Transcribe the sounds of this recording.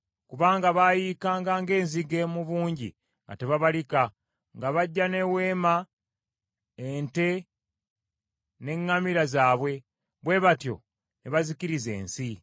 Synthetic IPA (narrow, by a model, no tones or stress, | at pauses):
kuβaːŋɡaβajiːkaːŋɡaːŋɡe̞ːnziɡe̞muβuːɲɟḭ | ŋɡa̰te̞βaβalika | ŋɡaβaɟːane̞we̞ːma | ente̞ | ne̞ŋːamiɾazaːβwe̞ | βwe̞βatjo̞̰ | neβaziciɾize̞̰ːnsi